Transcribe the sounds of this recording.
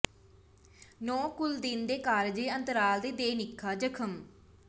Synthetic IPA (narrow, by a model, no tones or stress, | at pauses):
nɔ̃ːkʊld̪iːnd̪eːkaːɾd͡ʒeːənt̪əɾaːld̪eːd̪eːnɪkʰːaːd͡ʒəkʰəm